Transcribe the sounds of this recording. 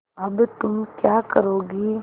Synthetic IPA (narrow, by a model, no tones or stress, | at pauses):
ɐbt̪ʊmkjaːkəɾoːɡiː